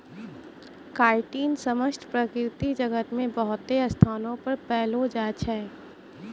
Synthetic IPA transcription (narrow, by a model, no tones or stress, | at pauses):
kaːɪʈiːnsɐməsʈpɾɐkɾɪt̪id͡ʒɐɡət̪mẽbɐɦʊt̪eɐst̪ʰaːnõpɐɾpɛːlod͡ʒaːt͡ʃɦɛː